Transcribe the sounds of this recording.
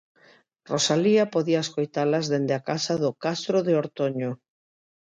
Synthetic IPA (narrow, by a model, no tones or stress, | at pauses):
rosaliapoðiaeskojt̪alazðend̪ɪakasaðʊkast̪ɾoðeoɾt̪oɲo